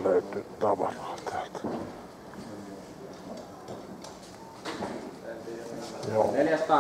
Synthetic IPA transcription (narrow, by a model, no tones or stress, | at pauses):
løyt̪yt̪ɑʋɑ̰rɑːt̪ʰæːlt̪ | joːnelæst̪ɑ